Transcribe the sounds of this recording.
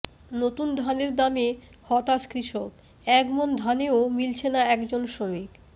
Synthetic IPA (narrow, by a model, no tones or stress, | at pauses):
not̪und̪ʱaneɾd̪ame | hɔt̪askɾiʃok | ɛkmond̪ʱaneomilt͡ɕʰenaɛkd͡ʑonʃomik